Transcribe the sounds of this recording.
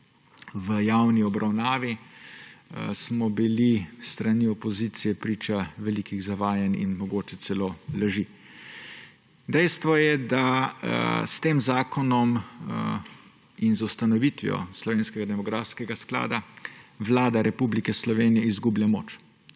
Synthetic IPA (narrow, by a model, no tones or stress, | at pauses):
ʋəjawniɔbɾʔawnaːʋi | smɔbilist̪ɾaniɔpɔzit̪sijɛpɾiːt͡ʃaʋɛlikiɣzaʋaːjɛnḭnmɔɡoːt͡ʃɛt̪sɛlolaʒi | d̪ɛjst̪ʋɔjɛd̪a | st̪eːmzaːkʰɔnɔm | inzwst̪anɔʋit̪ʋijɔ̰slɔʋeːnskɛɡad̪ɛmɔɡɾaːfskɛɡaskla̰ːd̪aʋlaːd̪aɾɛpublikɛslɔʋeːnijɛizɡublʲamo̰ːt͡ʃ